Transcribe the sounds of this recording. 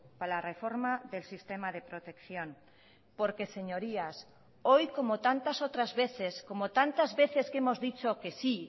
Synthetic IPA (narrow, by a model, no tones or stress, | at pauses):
palarefoɾmaðelsist̪emaðepɾot̪e̞kθjon | poɾkese̞ɲoɾias | ojko̞mot̪ant̪asot̪ɾazβeθeskomot̪ant̪azβe̞θe̞skemozðit͡ʃokesi